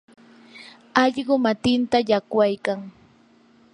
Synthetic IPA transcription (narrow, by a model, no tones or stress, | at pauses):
ɑʎɢʊmat̪ɪnt̪ajakwajkaŋ